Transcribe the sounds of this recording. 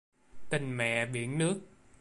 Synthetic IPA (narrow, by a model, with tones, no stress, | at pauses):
t̪ï˨˩ŋ̟mɛ̰˧˨ɓḭ˧˩˦ənnɨ˦˥ək̚